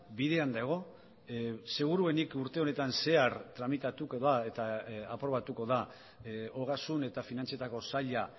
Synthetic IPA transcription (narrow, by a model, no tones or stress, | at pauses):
biðe̞and̪aɣ̞o̞ | se̞ɣ̞uɾue̞nikuɾt̪e̞o̞ne̞t̪anse̞aɾt̪ɾamit̪at̪ukoðae̞t̪aapɾo̞β̞at̪uko̞ða | o̞ɣasune̞t̪afinant͡siet̪ako̞saʎa